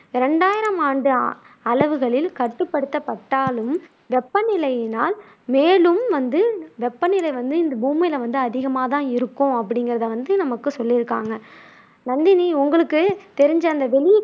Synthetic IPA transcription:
ɪɾɛɳɖaːjɪɾɐmaːɳɖɯ | ɐɭɐʋɯɣɐɭɪlkɐʈːɯpːɐɽɯt̪ːɐpːɐʈːaːlɯm | ʋɛpːɐnɪlɐɪjɪnaːl | meːlɯmʋɐnd̪ɯʋɛpːɐnɪlɐɪʋɐnd̪ɯɪnd̪ɐbuːmɐlɐʋɐnd̪ɯɐðɪɣɐmaːt̪̬ãːɪɾɯkːʊ̃ɐpːɐɽɪŋɡɪɾɐðɐʋɐnd̪ɯnɐmɐkːɯsɔlːɪɾɯkːa̰ːŋɡɐ | nɐnd̪ɪniʊŋɡɐɭɯkːɯt̪ɛɾɪɲd͡ʒɐnd̪ɐʋɛɭɪ

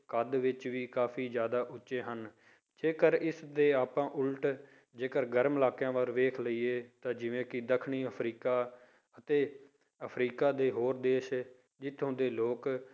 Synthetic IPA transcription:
kəd̪ʋɪt͡ʃʋiːkaːfʰiːd͡ʒjaːd̪aːʔʊtːʃeːɦən | d͡ʒeːkəɾɪsd̪eːaːpãːʔʊlʈ | d͡ʒeːkəɾɡəɾmɪlaːkjãːʋaːɾʋeːkʰləiːeːt̪ãːd͡ʒɪʋẽːkɪd̪əkʰɳiːəpʰɾiːkaː | ət̪eː | əpʰɾiːkaːd̪eːɦoːɾd̪eːʃ | d͡ʒɪt̪ʰːõːnd̪eːloːk

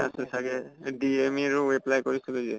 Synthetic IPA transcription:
a̰sɛsaɡɛdiemiɹuwɛblajkoɹisɛlojzɛ

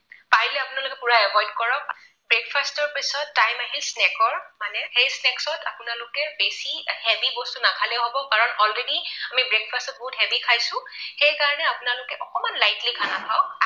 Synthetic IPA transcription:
paɹilɛapʊnalʊkɛpuɹaɛbɔjdkɔɹɔk̚ | b̥ɹekpʰastɔɹpisɔtːajmaɦilsnɛkɔɹmanɛxejsnɛksɔtʰapʊnalʊkɛbesihɛpibɔstunakʰalɛɦobɔkaɹɔnɔlɹediamibɹek̚pʰastɔt̚bɔɦuthɛpikʰajsʊ̃xejkaɹɔnɛapʊnalʊkɛʔɔkɔmanlajtlikʰanapʰaʊ

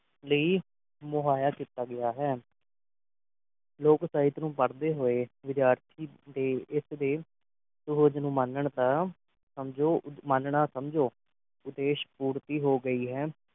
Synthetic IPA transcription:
ləiː | mʊɦaːjaːkiːt̪aːɡɪjaːɦɛː | loːksaːɪt̪nũːpəɽd̪eːɦoːeːʋɪd̪jaːɾt̪ʰiːd̪eːɪsd̪eː | sʊɦəd͡ʒnũːmənəɳd̪aː | səmd͡ʒoːmənɳaːsəmd͡ʒoː | ʊd̪eːʃpuːɾt̪iːɦoːɡəiːɦɛː

